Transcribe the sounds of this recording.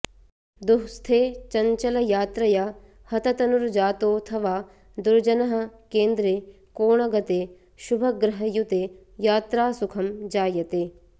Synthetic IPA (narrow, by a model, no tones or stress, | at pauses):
d̪uɦst̪ʰeːt͡ʃɐɲt͡ʃɐlɐjaːt̪ɾɐja | hɐt̪ɐt̪ɐnuɾd͡ʒaːt̪oːt̪ʰɐʋaː | d̪uɾd͡ʒɐnɐɦɐ̆keːnd̪ɾeː | koːɳɐɡɐt̪eː | ʃubʱɐɡɾɐɦɐjut̪eː | jaːt̪ɾaːsukʰɐmd͡ʒaːjɐt̪eː